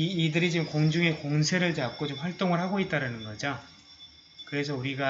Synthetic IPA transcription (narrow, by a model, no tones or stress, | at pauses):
iːdɯɾid͡ʑimkoŋd͡ʑuŋe̞koŋsʰe̞ɾɯɭt͡ɕap̚k͈ot͡ɕomɸwaɭt͈oŋɯɭhaɡoet̚t͈aɾanɯnɡʌd͡ʑo | kɯɾe̞s̬ʰʌuɾiɡa